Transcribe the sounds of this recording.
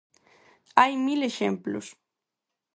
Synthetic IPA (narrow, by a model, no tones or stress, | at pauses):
ajmileʃemplṵs